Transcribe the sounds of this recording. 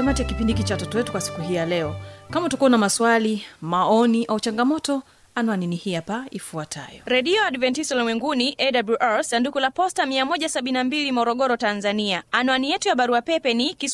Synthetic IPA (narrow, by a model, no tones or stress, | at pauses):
amatijakipindikit͡ʃawatɔtɔwɛtu̥kwasi̥kuɦijalɛɔkamautakuɔnamaswalimaɔniʔaut͡ʃaŋɡamɔtɔ | anwaninihiapaifuatʰa̰jɔ̰ɾɛɗiɔaɗvɛntisɔlmwɛŋɡuniʔɛɗabluʔalsandukulapɔstamiamɔʄasaɓinnambilimɔɾɔɠɔɾɔtanzaniaːnwanijɛtujaɓaɾuapɛpɛniki